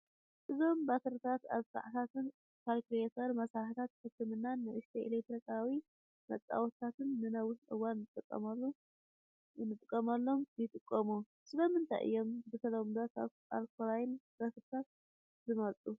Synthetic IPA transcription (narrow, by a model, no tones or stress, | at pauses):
ʔɨzo̞mbat̪ʰɐɾɨt̪ʰat̪a̰βsa̰ʕt̪ʰat̪ʰɨn | kʰalkɾiet̪ʰɐɾmɐsaħt̪ʰat̪kɨkʰːɨmɨnːanːɨʔɨʃt̪ʰeʔḛlek̚t̪ɾikʰawi | mɐt͡sʼa̰wt̪ʰːat̪ɨnːɨnawʊʃnʔɨ̰wanːɨt̪ʼɨkʼːɐ̰malːu | nɨt̪ʼɨkʼːɐmalːo̞mjɪt̪ʼɨkʼːɐmu | sɨlɐmɨnt̪ʰajʔɨ̰jːo̞mbɨsʰɐlɐmd̪at̪a̰β | a̰lkʰolajɪnbat̪ʰɨɾɨt̪ʰat̪̚ | zɨmɐlt͡s̪ʼu